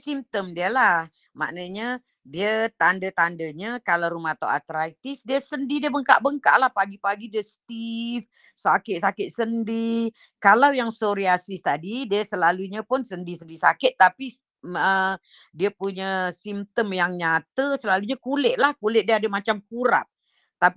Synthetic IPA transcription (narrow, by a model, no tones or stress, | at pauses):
simt̪əmdiəlah | ma̰ʔnəɲə | diət̪andət̪andəɲəkalawɾumaht̪awa̰t̪ɾait̪ɪsdiəsəndidiəbəŋkaʔbəŋka̰ʔlahpaɡipaɡidəst̪if | sakɪt̪̚sakɪt̪̚səndi | kalawjaŋsoɾiasist̪adidiəsəlaluɲəpʊnsəndisəndisa̰kɪt̪̚ːapi | ə | diəpuɲəsimt̪əmjaŋɲat̪əsəlaluɲəkulɪʔ̚lahkulɪʔ̚diəadəmat͡ʃamkuɾa̰p̚ | t̪ap